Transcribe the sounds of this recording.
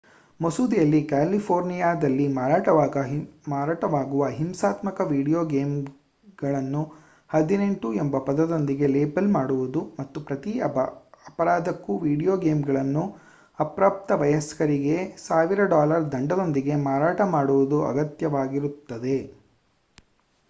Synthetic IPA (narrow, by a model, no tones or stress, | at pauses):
mosuːd̪ijɐlːikaːlipʰoːɾnijaːd̪ɐlːimaːɾaːʈɐaːɡɐmaːɾaːʈɐʋaːɡuʋɐɦimsaːt̪mɐkɐʋiːɽijoːɡeːm | ɡɐɭɐnːu | hɐd̪ine̞ɳʈuembɐpɐd̪ɐd̪o̞nd̪iɡe̞leːbɐlmaːɽuʋud̪umɐt̪ːupɾɐt̪i | ɐpɐɾaːd̪ɐkːuʋiːɽijoːɡeːmɡɐɭɐnːu | ɐpɾaːp̚t̪ɐʋɐjɐskɐɾiɡe̞saːʋiɾɐɖaːlɐɾd̪ɐɳɖɐd̪o̞nd̪iɡe̞maːɾaːʈɐmaːɽuʋud̪uɐ̰ɡɐt̪jɐʋaːɡiɾut̪ːɐd̪e̞